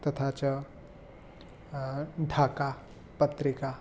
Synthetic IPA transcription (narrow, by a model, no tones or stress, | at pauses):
t̪ɐt̪ʰat͡ʃɐ | ɖʱaːka | pət̪ɾika